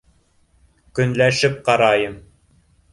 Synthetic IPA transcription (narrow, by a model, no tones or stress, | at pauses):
kɵ̆nlæʃɘp̚qɑɾɑjɤm